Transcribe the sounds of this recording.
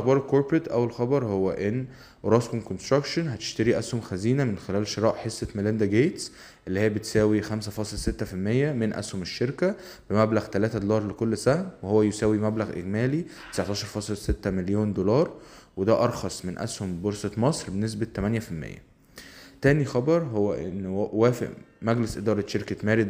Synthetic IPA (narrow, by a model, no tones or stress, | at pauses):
bɑːɾˤelkoɾpɾet̪ʔæwelxɑbɑɾˤhowːæʔenː | ʔoɾˤɑskomkonst̪ɾɑkʃonɦæt̪e̥ʃt̪æɾiʔæshomxæziːnæmenxelæːlʃeɾˤɑːʔħesːet̪melend̪æɡeːt̪s | ʔelːihejːæbet̪sæːwixæmsæfɑːsˤelset̪ːæfilmejːæmenʔæ̰shomeʃːeɾkæ | b̥emæblæɣt̪ælæːt̪æd̪olɑːɾˤlekolːsæhmwehowːæjosæːwimæblæɣʔḛɡmæːlit̪esaʕt̪ɑːʃɑɾˤfɑːsˤelset̪ːæmeljoːnd̪olɑːɾˤ | wed̪æʔɑɾˤxɑsˤmenʔæ̰shomboɾsɑt̪mɑsˤɾbenes̬bæt̪ːæmænjæfilmḛjːæ̰ | t̪æːnixɑbɑɾˤɦowːæʔenːwæːfḛʔ | mæɡlesʔed̪ɑːɾˤɑt̪ʃeɾkæt̪mæːɾid̪